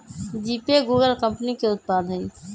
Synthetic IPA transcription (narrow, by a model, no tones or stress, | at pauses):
d͡ʒiːpeɡuːɡəlkə̃mpnikeʊt̪̚paːd̪ʱə̃